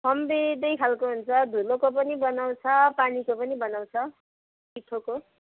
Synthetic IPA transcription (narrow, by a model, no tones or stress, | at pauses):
sʌmbed̪ʌjkʰalkoɦunt͡sʰʌd̪ʱulokop̬ʌnibʌnaw̃t͡sʰʌpanikopʌnibʌnaw̃t͡sʰʌ | piʈʰoko